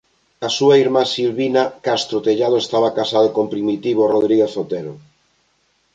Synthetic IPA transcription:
ɐsuɐiɾmasilβinɐkast̪ɾot̪eʎaðoest̪aβakasað̞okompɾimit̪iβoroðɾiɣeθot̪eɾo

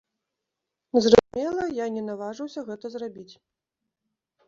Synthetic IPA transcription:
zrɐzumʲɛlˠɐjanʲɛnavaʐɨwsʲɐɣɛt̪ɐzrabʲit͡sʲ

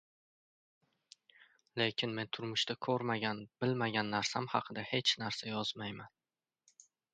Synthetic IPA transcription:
le̞kʲʰɪnme̞nt̪ʰʊɾmʊʃt̪akʰɵɾmaɡʲanbɪlmaɡʲanːaɾsamhɑqʰɨd̪ahe̞t͡ʃʰnaɾsajɒz̥majman

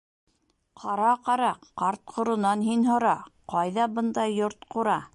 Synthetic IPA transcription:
qʰɑɾɑqɑɾɑqqɑɾt̪̚qʰŏɾŏnɑnɦinɦŏɾɑqɑjðɑbɤ̆nd̪ɑjoɾt̪quɾɑ

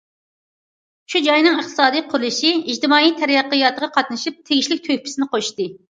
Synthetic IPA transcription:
ʃud͡ʒɑjnɨŋɨχt̪ʰɨ̥sɑːd̪ɨjqʰʊɾlˠɨʃiid͡ʒt̪ɨmɑːijt̪ʰɛɾjɑqːəjɑt̪əʁɑqʰɑt̪̚nɨʃip̚t̪ʰeɡʲiʃlɪk̚ʲt̪ʰøhʲpʰɪ̥sɪnɪqʰoʃt̪ɨ

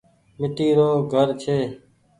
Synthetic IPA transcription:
mɪʈ̪iːɾoːɡʱəɾt͡ʃʰeː

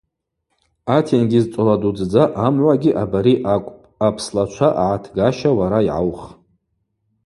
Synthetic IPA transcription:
atʰenɡʲizt͡sʼoladud͡zd͡zaʔamʕʷaɡʲiʔabaɾiʔʷʼ | apʰslat͡ʃʷʰaʔa̰ʕatʰɡaʃawaɾaiʕa̰wχ

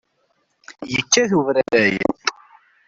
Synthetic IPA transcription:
jət͡ʃːæθuvɾæɾæjjə̰

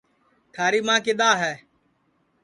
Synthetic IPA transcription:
t̪ʰaːɾiːmãːkɪɗ̪aːɦɛː

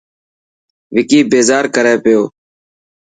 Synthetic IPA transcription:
ʋɪkiːbeːzaːɾkəɾeːpɪjoː

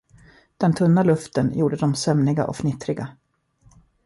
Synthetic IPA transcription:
d̪̥ɛnt̪ʰɵnːalɵft̪ənjuːɖəd̪ɔmsœmnɪɡa̰ʔɔ̰kfnɪt̪ɾɪɡa

